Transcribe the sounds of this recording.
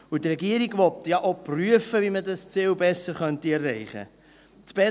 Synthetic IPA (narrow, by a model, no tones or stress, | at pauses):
utrɛɡiəɾiɡvɔtjɑʔopryəfəvimədɑst͡sɪwbɛsəɾχœntiɛrːɛɪχə̰ | t͡sb̥ɛ